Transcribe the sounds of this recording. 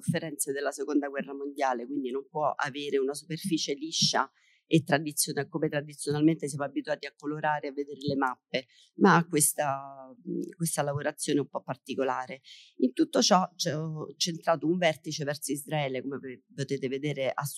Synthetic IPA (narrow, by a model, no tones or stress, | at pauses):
ufːeɾɛnt̪sed̪elːasekond̪aɡwɛrːamond̪jaːlekwind̪inompwɔʔa̰veːɾeunasuperfiːt͡ʃeliʃːa̰ | et̪ːɾad̪it̪sjonakomet̪ɾad̪it̪sjonalment̪esjamoabit̪uaːt̪iakːoloɾaːɾeavːed̪eːɾelemapːe | maakːwest̪a | kwest̪alavoɾat̪sːjoːneumpɔpːart̪ikolaːɾeint̪ut̪ːot͡ʃɔt͡ʃɛt͡ʃːent̪ɾaːt̪ouɱvɛrt̪it͡ʃevɛrsoizɾaɛːlekomepot̪eːt̪eved̪eːɾeʔas